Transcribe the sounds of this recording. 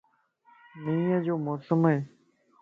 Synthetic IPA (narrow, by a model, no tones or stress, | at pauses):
nĩːjəd͡ʒoːmoːsəmɦeː